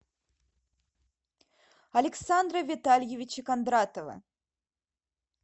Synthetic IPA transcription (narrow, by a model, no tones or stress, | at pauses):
ɐlʲɛksand̪ɾɐvʲɪt̪alʲjevʲit͡ɕikand̪ɾat̪əvɐ̰